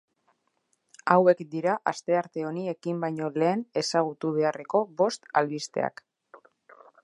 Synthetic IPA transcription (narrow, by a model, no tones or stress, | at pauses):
awe̞kd̪iɾaʔast̪e̞aɾt̪e̞o̞nie̞kimbajɲo̞le̞ːne̞saɣ̞ut̪uβe̞are̞ko̞βo̞st̪alβist̪e̞̰a̰k